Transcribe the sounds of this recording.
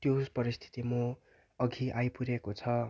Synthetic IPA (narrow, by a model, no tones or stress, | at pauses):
t̪jospʌɾist̪ʰi̥t̪imo | ʌɡʱiʔajpuɾekot͡sʰʌ